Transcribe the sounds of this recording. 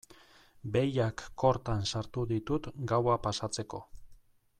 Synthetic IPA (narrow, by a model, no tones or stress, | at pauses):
be̞jakːo̞ɾt̪ansaɾt̪uðit̪ut̪ɡawapasat͡se̞ko̞̰